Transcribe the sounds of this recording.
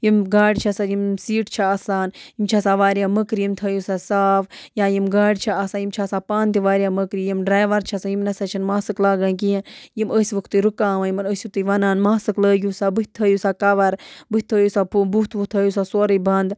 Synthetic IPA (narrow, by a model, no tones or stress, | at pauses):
jimɡaːɽʲt͡ʃʰɐsajimsiːʈt͡ʃʰaaːsaːnjimt͡ʃʰasaːʋaːɾjaːməkɾijimt̪ʰɐːjusasaːʋjaːjimɡaːɽʲt͡ʃʰaaːsaːnjimt͡ʃʰasaːpaːnt̪iʋaːɾjaːməkɾijimɖɾaːjʋɐɾt͡ʃʰɐsajimnɐsɐt͡ʃʰinmaːsɨklaːɡaːnk̬ijɐ̃njiməːsʲʋɨkʰt̪ɨɾukaːʋajimɐnəːsʲɨk̚t̪ɨʋɐnaːnmaːsɨkləːɡʲusaːbɨɦʲt̪ʰːəːjusaːkɐʋɐɾbɨt̪ʰːəːjusapubut̪ʋukt̪ʰɐːjus̬aːsoːɾəbɐnd̪